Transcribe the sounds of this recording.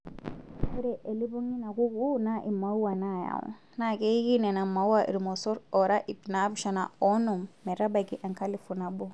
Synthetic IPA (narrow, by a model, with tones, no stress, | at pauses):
u˦ɾɛ˨ʔe˨li˦bɔ˦ŋi˦na˨ku˦kunaʔi˨ma˦u˦wa˨na˦ja̰˨ṵ̃ | nake˦ki˦nɛ˨na˨ma˨wwaʔḭ˨ɾimɔsɔ˦ɾɔ˨ɾa˦ʔi˨tina˦buʃa˨na˨ɔ˦nɔ̃˨mmɛ˨ɾa˦baki˦ʔã˨ŋka˦li˦fu˨na˨bo